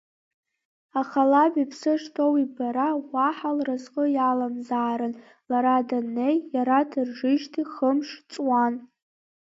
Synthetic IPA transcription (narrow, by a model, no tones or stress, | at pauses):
aχalabipʰsɨʂtʰowibaɾawʷaħalrazqʼəjalamzaːɾɨn | laɾadanːejːaɾadʰɨrʐɨʒtʰiχəmʂt͡sʼwan